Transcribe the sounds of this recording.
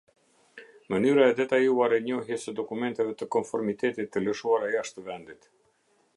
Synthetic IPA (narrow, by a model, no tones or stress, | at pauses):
mənyɾaɛd̪ɛt̪ajuaɾɛɲɔɦjɛsəd̪ɔkumɛnt̪ɛvɛt̪əkɔnfɔɾmit̪ɛt̪it̪ːələʃuaɾajaʃt̪əvɛnd̪it̪